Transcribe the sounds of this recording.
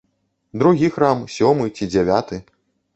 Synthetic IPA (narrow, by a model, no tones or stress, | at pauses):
d̪ɾuɣʲixɾamsʲɔmɨt͡sʲid͡zʲɛvʲat̪ɨ